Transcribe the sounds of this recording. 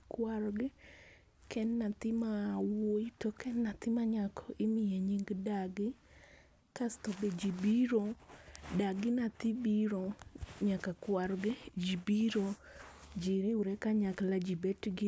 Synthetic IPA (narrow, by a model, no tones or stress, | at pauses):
kwaɾɡɛ | kʰɛnnat̪ɪmawoitokɛnːat̪ɪmaɲakʰɔɪmɪjeɲiŋɡdaɡɪ | kast̪obed͡ʒibiɾodaɡɪnat̪ɪbiɾoɲakakwaɾɡɪd͡ʒibiɾod͡ʒiɾɪuɾɛkaɲaklad͡ʒibɛtɡɪ